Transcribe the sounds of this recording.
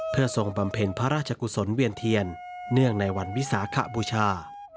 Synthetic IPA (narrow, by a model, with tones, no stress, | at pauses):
pʰɯ˥˩ɐso˧ŋba˨˧mpʰe˧npʰa˦˧ɾaː˥˩t̚t͡ɕʰa˧ku˧so˩˦nwi˧ənt̪ʰi˧ənː | ɯ˥˩əŋna˧jwa˧nwi˦˥saː˩˦kʰa̰˦˥buː˧t͡ɕʰaː˧